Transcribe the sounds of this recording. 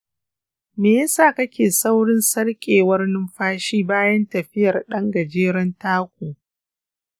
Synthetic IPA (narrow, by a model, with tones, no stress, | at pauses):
meː˨jɐ˦saː˦˨kɐ˦kʲeː˨sa˦wɽɪ˦nsɐ˦rkʲʼeː˨wɐ˦rnɪ˦mɸaː˦ʃiː˦baː˦jɐ˦ntɐ˨ɸɪ˦jɐ˨rɗɐ˦ŋɡɐ˨d͡ʒeː˦ɾɐ˦ntaː˦kʷoː˨